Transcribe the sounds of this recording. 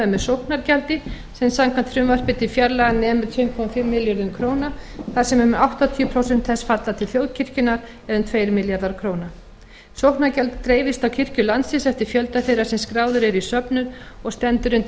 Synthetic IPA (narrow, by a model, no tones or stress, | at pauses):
mɛsowhknaɾcɛlt̪ɪ | sɛmsamkʰvan̥t̪fɾʏmvar̥pɪt̪ɪfjaɾlaɣanɛːmʏɾt̪ʰfɪmkʰɔmafɪmːɪljaɾðʏmkʰɾoːwnaθḁsɛmʏmawht̪ɔt̪ʰiʏpʰɾowsɛnt̪θɛsfat̪lat̪ʰɪlθjoːwðcʰɪr̥cʏnaɾ | ɛðʏmt̪ʰveːjɾmɪljaɾðaɾ̥kʰɾoːwna | sowhknaɾcɛlt̪t̪ːɾeːjvɪst̪awcʰɪr̥cʏlansɪsɛft̪ɪɾ̥fjœlt̪aθejɾasɛmskɾaːwðʏɾɛɾisœpnʏnɔɣst̪ɛnt̪ʏɾʏnt̪